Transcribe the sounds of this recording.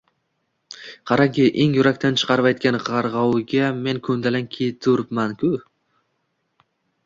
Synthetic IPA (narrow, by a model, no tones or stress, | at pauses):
qʰɑɾaɡʲɪʔeŋjʊɾak̚ʲt̪ʰant͡ʃʰɨ̥qʰɑɾpajt̪̚kʲanʁɑɾʁɑwɪɡʲamenkʰɵnd̪alankʲʰet̪ʰːɵɾɪpmankʲʰʊ